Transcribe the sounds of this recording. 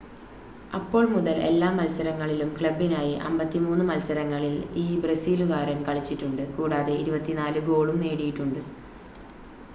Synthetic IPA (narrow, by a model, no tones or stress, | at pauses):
ɐpːo̞ːɭmuðɐle̞̰lːaːmɐlsɐɾɐŋːɐɭilumkɭɐbːinaːjiʔɐ̰mbɐt̪ːimuːnːɨmɐlsɐɾɐŋːɐɭiliːbrɐsiːluɣaːɾɐmkɐɭit͡ɕːiʈːuɳɖɨkuːɽaːðe̞iɾubɐt̪ːinaːlɨɡo̞ːɭumne̞ːɽijiʈːuɳɖɨ